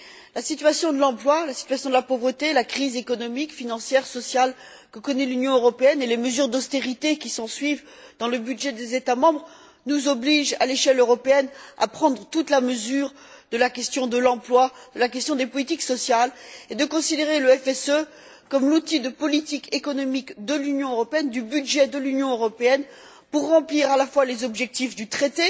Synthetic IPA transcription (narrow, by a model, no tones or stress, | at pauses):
lasit̪ɥasjɔ̃d̪əlɑ̃plwalasi̥t̪ɥasjɔ̃d̪əlapovʁət̪elakχizekɔnɔmikfinɑ̃sjɛʁsɔsjal | kəkɔnɛlynjɔ̃øʁɔpeɛneleməzyʁd̪ɔst̪eʁit̪ekʲisɑ̃sɥivd̪ɑ̃ləbyd̪ʒɛd̪ezet̪amɑ̃bʁ | nuzɔbliʒa̰leʃɛløʁɔpeɛna̰pχɑ̃d̪ʁət̪ut̪laməzyːʁ | d̪əlakʲɛst̪jɔ̃d̪əlɑ̃plwad̪̥əlakʲɛst̪jɔ̃d̪epɔlit̪iksɔsjaled̪əkɔ̃sid̪eʁeləɛfɛsø | kɔmlut̪id̪əpɔlit̪ikʰekɔnɔmikd̪əlynjɔ̃øʁɔpeɛnd̪ybyd̪ʒɛd̪əlynjɔ̃øʁɔpeɛn | puʁːɑ̃pliʁalafwalezɔbʒɛk̚t̪ifd̪yt̪χet̪e